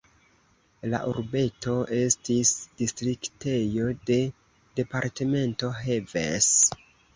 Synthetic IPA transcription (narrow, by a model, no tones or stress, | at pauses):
la̰ʔṵɾbe̞to̞ʔe̞stisd̥istɾikte̞jo̞de̞ | de̞paɾteme̞nto̞ɦevḛs